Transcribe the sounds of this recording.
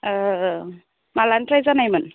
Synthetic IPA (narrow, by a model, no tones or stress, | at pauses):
malantɾajzanajmɯn